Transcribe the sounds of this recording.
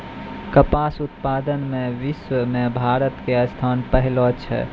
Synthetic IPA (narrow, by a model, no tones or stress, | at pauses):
kəpaːsʊt̪̚paːd̪ənmẽʋɪswəmẽbʱaːɾət̪keəst̪ʰaːnpəɦɪlot͡ʃʰɛ̰